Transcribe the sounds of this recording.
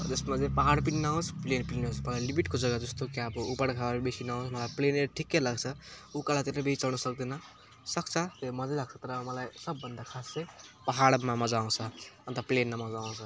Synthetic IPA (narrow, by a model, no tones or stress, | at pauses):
d͡zʌsmat͡seĩpʌɦaɽpininaõsplenpiinɦosmʌlalibiʈkod͡zʌɡad͡zʌst̪okabʌupʌɽkʰaaɾbesinaõsmʌlajpleneɾʈʰikːelaɡt͡sʰʌukalat̪inʌbʱeit͡sʌlnʌsʌk̚d̪inʌ | sʌk̚t͡sʰʌt̪emʌd͡zelaɡt͡sʰʌt̪ɾʌmʌlajsʌbːʌnd̪akʰasːejpʌɦaɽmamʌd͡zaw̃t͡sʰʌʌnt̪ʌplenːamʌd͡zaw̃t͡sʰʌ